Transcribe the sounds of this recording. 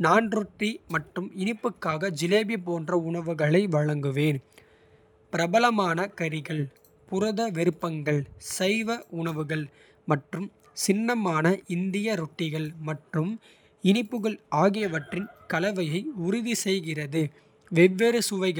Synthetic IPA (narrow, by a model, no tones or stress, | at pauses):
naːnɾʊʈːimɐʈrɯmɪnɪpːɯkːaːɣɐd͡ʒɪleːbip̬oːndrɐʊɳɐʋɯɣɐɭɐɪʋɐɻɐŋɡɯʋeːn | pɪɾɐbɐlɐmaːnɐkɐɾɪɣɐɭ | pʊɾɐðɐʋɛɾɯpːɐŋɡɐɭsɛɪʋɐʊɳɐʋɯɣɐɭ | mɐʈrɯm | sɪnːɐmaːnɐʔɪnd̪ɪjɐɾʊʈːɪɣɐɭmɐʈrɯm | ɪnɪpːɯɣɐɭaːɣɪjɐʋɐʈrɪnkɐlɐʋɐjɐɪʊɾɪðisɛjɣɪrɐðɯ | ʋɛʋːeːɾɯsʊʋɐɪɣɐ